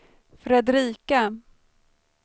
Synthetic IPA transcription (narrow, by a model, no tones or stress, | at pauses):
fɾɛd̪ɾiːka